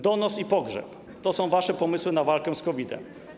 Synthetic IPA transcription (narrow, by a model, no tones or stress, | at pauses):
d̪ɔnɔsipɔɡʐɛ̰p | t̪ɔsɔ̃w̃vaʂɛpɔmɘswɘnavalkɛw̃skɔvʲid̪ɛ̰m